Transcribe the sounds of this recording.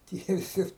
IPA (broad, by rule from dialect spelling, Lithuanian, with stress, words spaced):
tʲiɛ ʋʲɪˈsʲɪ